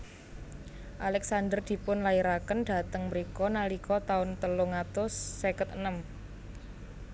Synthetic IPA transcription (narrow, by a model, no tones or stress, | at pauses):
ʔalɛksand̪ərd̪̥i̤pʊnlaiɾakənɖ̥a̤t̪əŋməɾikɔnalikɔt̪aʊnt̪əlʊŋat̪ʊsːekət̪̚ənəm